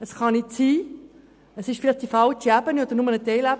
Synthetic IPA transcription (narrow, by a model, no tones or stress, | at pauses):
əsχɑnɪtsiː | əsɪʃfɪlɪχd̥ifɑlt͡ʃiæbəniodəɾnʊmənət̪eɪlæb